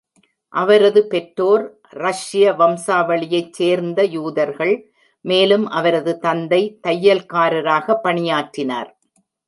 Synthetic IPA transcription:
ʔɐʋɐɾɐðɯpɛʈɾoːɾ | ɾɐʂɪjɐʋɐmsaːʋɐɭɪjɐɪt͡ʃːeːɾnd̪ɐjuːðɐɾɣɐɭ | meːlɯmʔɐʋɐɾɐðɯt̪ɐnd̪ɐɪt̪ɐjːɐlkaːɾɐɾaːɣɐpːɐɳɪjaːʈrɪna̰ːɾ

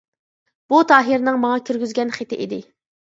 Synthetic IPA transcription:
b̥ut̪ʰɑːɦiɾnɪŋmɑŋɑkʲʰyɾɡʲyzɡʲɛnχet̪ʰɪʔid̪ɪ

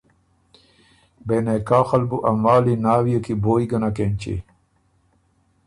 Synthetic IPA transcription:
benekaːxɐlbuʔɐmaːlinaːwijɐkiboːiɡɐnakeːnt͡ɕḛ

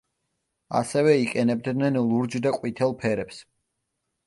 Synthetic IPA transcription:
a̰sɛvɛikʼɛnɛb̚d̪nɛnlˠuɾd͡ʒd̪aqʼwit̪ʰɛlˠpʰɛɾɛps

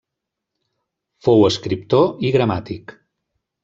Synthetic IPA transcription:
fowəskɾip̚t̪oiɣɾəmat̪ik

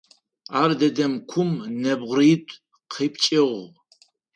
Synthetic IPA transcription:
aːrdɐdɐmkʷʰʊmnɐbʁʷriːtʷʼ | qʰeːp̚ʰt͡ʃʼɪʁ

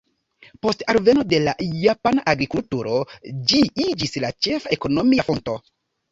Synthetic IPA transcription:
po̞staɾve̞no̞de̞lajapanaʔaɡɾikultuɾo̞d͡ʒiid͡ʒislat͡ʃe̞faeko̞no̞mijafo̞nto̞

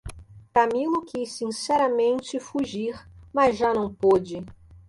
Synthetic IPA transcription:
kamilʊkisːĩsɛɾɐmẽnt͡ʃɪfuʒiɾmɐzʒanɐ̃w̃pod͡ʒɪ

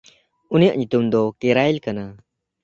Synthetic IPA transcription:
unijaʔɲut̪umd̪ɔkɛɾajlkana

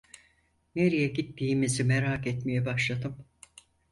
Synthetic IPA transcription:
neɾijɛɟit̪ʰːiːmizimeɾaːket̪mijɛbaʃlˠad̪ɯm

